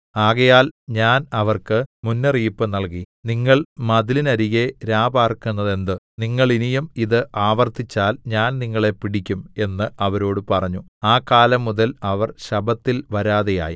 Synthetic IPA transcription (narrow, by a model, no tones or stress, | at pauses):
aːɣɐjaːlɲaːnɐʋɐrkɨmunːɐriːpːɨnɐɭki | niŋːɐɭmɐðilinɐɾiɣe̞ɾaːbaːrkunːɐðe̞nd̪ɨniŋːɐɭinijumiðɨʔaːʋɐrt̪it͡ɕːaːlɲaːnniŋːɐɭe̞piɽikʲːume̞nːɨʔɐʋɐɾo̞ːɽɨpɐrɐɲːuaːkaːlɐmːuðɐlɐʋɐrɕɐbɐt̪ːilʋɐɾaːðeja̰ːjḭ